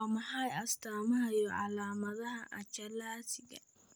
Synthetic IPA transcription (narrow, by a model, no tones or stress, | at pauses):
mɐħajɐst̪aːmɐhɐjɔʕalaːmɐðɐhɐʔɐt͡ʃɐlaːsɪɡɐ̰